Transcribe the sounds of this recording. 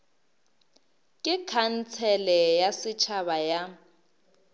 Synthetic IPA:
kʼɪkʰan̩t͡sʰɛlɛjasɪt͡ʃʰaβaja

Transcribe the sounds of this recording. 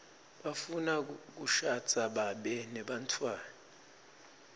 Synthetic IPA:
ɓafunak̬uʃat͡sʰʼaɓaɓɛnɛɓantʰwaːna

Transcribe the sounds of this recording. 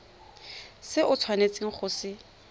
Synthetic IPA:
sɪʔʊt͡sʰwanet͡sʼɪŋ̩χʰʊsɪ

